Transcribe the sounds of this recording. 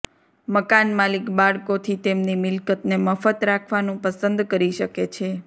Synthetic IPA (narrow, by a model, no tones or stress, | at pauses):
məkanmalikbaɭkot̪ʰit̪emnimɪlkət̪neməfət̪ɾakʰʋanũpəsənd̪kəɾiʃəket͡ʃʰe